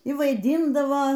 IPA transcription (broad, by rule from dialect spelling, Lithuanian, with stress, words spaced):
iː ʋɐɪˈdʲiːndɐʋoː